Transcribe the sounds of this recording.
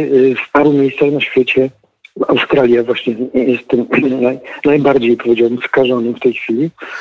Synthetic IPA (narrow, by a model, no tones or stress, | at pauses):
spaɾwumʲejst̪saxnaɕfʲjɛt͡ɕɛ | a̰wst̪ɾalʲjavwaɕɲɛjɛst̪ːmnajnajbaɾd͡ʑejpʰɔvʲjed͡ʑawɛmskaʐɔnɘmft̪ɛjxfʲilʲi